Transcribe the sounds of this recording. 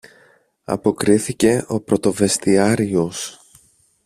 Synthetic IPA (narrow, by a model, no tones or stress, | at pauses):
ɐ̰po̞kɾiθice̞ʔo̞pɾo̞t̪o̞ve̞st̪iɐɾio̞s